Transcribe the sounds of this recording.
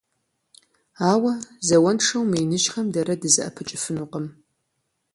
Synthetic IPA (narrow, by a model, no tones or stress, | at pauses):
aːwɐzɐwɐnʂɐwmijnɨʒχɐmdɐɾɐdɨzɨʔɐ̰pʰɨt͡ʃʼɪfɨnuqʼəm